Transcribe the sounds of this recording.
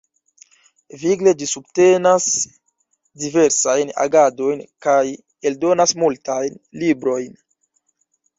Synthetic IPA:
viɡle̞d͡ʒisubte̞nas | dive̞ɾsajna̰ɡado̞jnkaj | e̞ldo̞nasmultajnlibɾo̞jn

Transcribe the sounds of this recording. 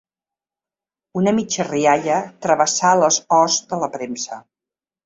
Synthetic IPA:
unəmit͡ʃəriaʎət̪ɾəβəsaləzɔzd̪ələpɾemsə

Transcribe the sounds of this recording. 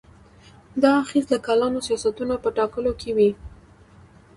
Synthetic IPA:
d̪ɑːxizləkɑlɑnosijɑsat̪unapəʈɑkəlokewi

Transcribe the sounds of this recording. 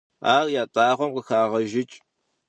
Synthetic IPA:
a̰ːrjaːtʼaːʁʷɔmqəxaːʁɐʒɪt͡ʃʼ

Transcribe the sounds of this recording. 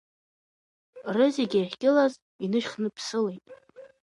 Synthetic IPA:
rɨzeɡʲajħɡʲʼɪlaz | inɨʃχnɨpʰsɨlejtʼ

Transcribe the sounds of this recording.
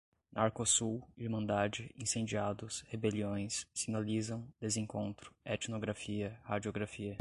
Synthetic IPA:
nʔaɾkosuwiɾmɐ̃nd̪ad͡ʒɪĩsẽd͡ʒiad̪ʊshebeliõj̃sːinalizɐ̃w̃d̪̥ezẽŋkõnt̪ɾʊ̥ɛt͡ʃnoɡɾafiɐhad͡ʒioɡɾafiɐ

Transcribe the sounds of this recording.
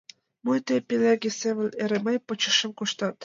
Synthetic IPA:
mujt̪epeleɡʲesevə̆lʲeɾemejpɤt͡ɕə̆ʃə̆mkoʃt̪ɑt̪

